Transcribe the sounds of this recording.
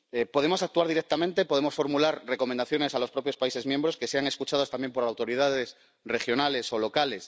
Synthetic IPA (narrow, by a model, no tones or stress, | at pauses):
epo̞ð̞emo̞sak̚t̪uaɾðiɾek̚t̪amẽnt̪epo̞ð̞emosfo̞ɾmulaɾre̞ko̞mẽnd̪aθjo̞ne̞salo̞spɾo̞pjo̞spaise̞mjembɾo̞ske̞se̞aŋe̞skut͡ʃaðost̪ambje̞mpo̞ɾawt̪o̞ɾiðaðes | re̞xjo̞nale̞solo̞kale̞s